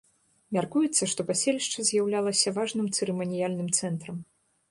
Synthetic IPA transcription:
mʲarkujɛt̪sːɐʂt̪ɔpasʲelʲiʂt͡ʂɐzʲjawlʲalˠɐsʲɐvaʐnɨmt̪sɨɾɛmɐnʲijalʲnɨmt̪sɛnt̪ɾɐm

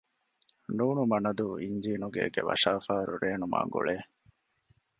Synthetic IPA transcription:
nuːnumɐnɐd̪uiɲd͡ʒiːnuɡeːɡeʋɐ̰ʃaːfaːɾuɾeːnuma̰ːŋɡṵɭeː

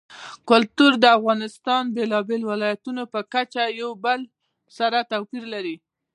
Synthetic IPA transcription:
kʊlt̪uɾd̪əafɣɑnɪst̪ɑnbelɑbelwɪlɑjat̪unopəkat͡ʃajawbəl | saɾat̪awpiɾlaɾi

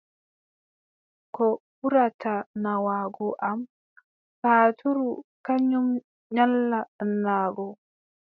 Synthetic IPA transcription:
kɔ | uɾatanawaɡɔʔam | paːtʰuɾukaɲum | ɲalːanːaːɡɔ

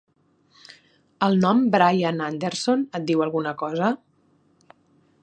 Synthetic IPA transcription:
əlˠnɔmbɾajanand̪eɾsonət̪̚d̪iwəlˠɣunəkɔzə

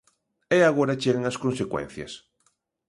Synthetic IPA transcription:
eaɣ̞oɾat͡ʃeɣeŋɐskõnsekwḛn̟θjɐ̰s

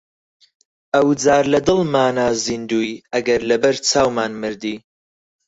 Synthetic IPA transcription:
ɐwd͡zaːɾlɐd̪ɨlˠmaːnaːzind̪uːjɐɡɐɾlɐbɐɾt͡sʰaːwmaːnmɨɾd̪iː

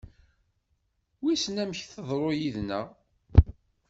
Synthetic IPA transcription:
wisnæməçθəðˤɾˤojiðnəʁ

